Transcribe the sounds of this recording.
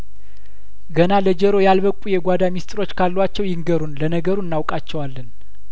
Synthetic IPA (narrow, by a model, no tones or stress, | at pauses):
ɡənaləd͡ʒəɾo̞jalβəkʼujɛɡʷad̪amist̪ʼɾo̞t͡ʃːkʰalːwat͡ʃːɛwjɪŋɡəɾunlənəɡəɾuɨnːawkʼat͡ʃːɛwalːən